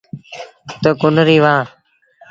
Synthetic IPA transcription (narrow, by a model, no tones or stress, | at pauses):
t̪əkʊnɾiːʋãː